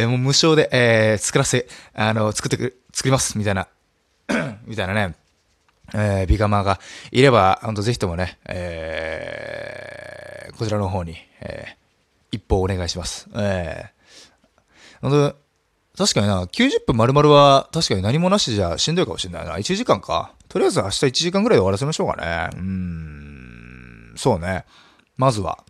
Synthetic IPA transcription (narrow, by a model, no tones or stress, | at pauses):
emoːmɯ̟ɕo̞ːd̪e̞ʔeːt͡sɨ̥kɯɾaseano̞t͡sɨ̥kɯ̟t̪ːe | t͡sɨ̥kɯ̟ɾimasɨ̥mʲit̪aina | mʲit̪ainane̞ | eːbʲiɡamaɡaiɾe̞bahõnt̪oeçi̥t̪o̞mo̞ne̞ḛː | ko̞t͡ɕiɾano̞ɦo̞ːɲ̟i | ḛː | ipːo̞ːne̞ɡaiɕimasɨ̥eː | õnt̪o | t̪aɕi̥kaɲinakʲɨːʑɨpːɯ̟̃mːaɾɯ̟maɾɯ̟βat̪aɕi̥kaɲ̟inaɲ̟imo̞naɕi̥t̪eʑaɕĩnd̪oikamo̞ɕinːa̰ḭna̰it͡ɕiɨʑikãŋkʰa̰ | t̪o̞ɾʲiazɨaɕi̥t̪ait͡ɕiʑikãŋɡɯɾaid̪aɾaseimaɕo̞ːka̰nḛɯ̟̃ | so̞ːne | mazɨβa̰